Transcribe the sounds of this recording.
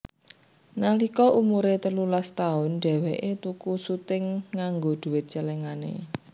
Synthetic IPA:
nalikɔʔumuɾet̪əlulast̪aʊnɖ̥ɛ̤wɛʔet̪ukusut̪ɪŋːaŋɡod̪̥ṳwɪt̪̚t͡ʃəlɛŋanḛ

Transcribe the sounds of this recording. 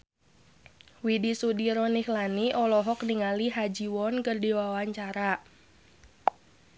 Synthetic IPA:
widisudiɾɔnihlaniʔɔlɔɦɔkniŋaliɦad͡ʒiwɔnkərdiwawaɲt͡ʃaɾa

